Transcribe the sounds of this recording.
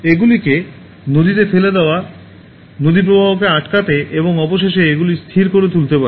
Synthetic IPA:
eɡulike | nod̪it̪efeled̪eoa | nod̪ip̬ɾobʱabokeaʈkat̪eʔeboŋɔboʃeʃ̬eeɡulist̪ʰiɾkoɾet̪̬ult̪epaɾe

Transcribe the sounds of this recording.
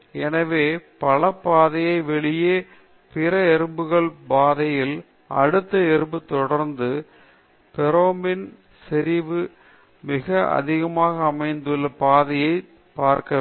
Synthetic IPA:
ɛnɐʋeːpɐlɐpːaːðɐjɐɪʋɛɭɪjeː | pɪɾɐɛɾɯmbɯɣɐɭbaːðɐjɪl | ʔɐ̰ɽɯt̪ːɐɛɾɯmbɯt̪ɔɽɐɾnd̪ɯ | pɛɾoːmbɪn | sɛɾɪʋɯ | mɪɣɐɐ̰ðɪɣɐmaːɣɐːmɐɪnd̪ɯlːɐpaːðɐjɐɪ | paːɾkɐ

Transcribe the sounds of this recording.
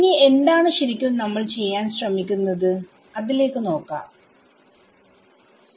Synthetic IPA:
iŋːie̞nd̪aːɳɨɕiɾikʲːunɐmːɐɭt͡ɕe̞jːaːnɕrɐmikʲːunːɐðɨ | ɐðile̞ːkːɨno̞ːkːa̰ː

